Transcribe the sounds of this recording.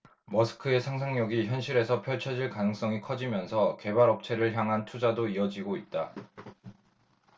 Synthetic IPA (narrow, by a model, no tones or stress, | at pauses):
mʌsʰɯ̥kʰɯe̞sʰaŋsʰaŋɲʌɡiçjʌnɕʰiɾe̞sʰʌpʰjʌɭt͡ɕʰʌd͡ʑiɭkanɯŋs͈ʌŋikʰʌd͡ʑimjʌnsʰʌke̞baɾʌp̚t͡ɕʰe̞ɾɯɭçjaŋɦantʰud͡ʑadoiʌd͡ʑiɡoit̚t͈a